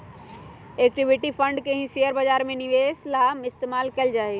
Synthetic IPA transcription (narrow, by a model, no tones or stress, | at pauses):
ek̚ʈibiʈipʰəɳɖkeɦĩseəɾbəd͡ʒaɾmẽniʋeslamɪst̪emalkɛːld͡ʒaːɛ